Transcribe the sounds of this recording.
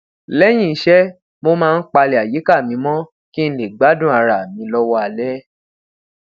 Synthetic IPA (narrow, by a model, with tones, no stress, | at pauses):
lɛ˦j̃ĩ˦˨i˦ʃɛ˦ | mo˧mãː˦˧n̩˦k͡pa˧le˨a˨ji˨˦ka˦˨mĩ˨˧˦mɔ̃˦ | ki˦n̩˦le˨ɡ͡ba˨˦dũ˦˨a˨˧ɾa˨mĩ˨˧˦lɔ˧wɔ˧a˧˨lɛ˦